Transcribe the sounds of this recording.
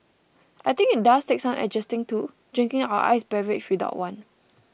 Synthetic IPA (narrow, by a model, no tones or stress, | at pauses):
ʔajt̪ĩŋkit̚dastek̚sãnɛ̰d͡ʒɛstĩŋtu | dɹĩŋkĩŋaʊə̰ʔa̰ɪsbɛvɛt͡ʃwida̰ʊtwãn